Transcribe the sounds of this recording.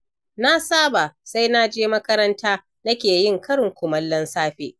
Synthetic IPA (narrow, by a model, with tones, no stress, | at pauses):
na˦saː˦baː˨sa˦jna˦d͡ʒeː˦mɐ˦kɐ˦ɾɐ˦ntʰaː˦ | nɐ˦kʲeː˨jɪ˦˨ŋkʰɐ˦ɽɪ˨ŋkʷʊ˨mɐ˦lːɐ˦nsaː˦ɸeː˦